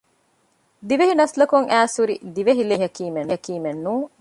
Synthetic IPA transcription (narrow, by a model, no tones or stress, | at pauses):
d̪iʋeɦinɐslɐkuŋʔæːsuɾid̪iʋeɦileɦɐkiːmenɐkiːmenːuː